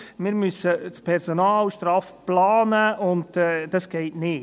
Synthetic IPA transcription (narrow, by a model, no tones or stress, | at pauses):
mɪːɾmʏsət͡spʰɛɾsonɑːlʃtɾɑːfplɑːnəʊntɛd̥ɑsɡ̥ɛɪtnɪ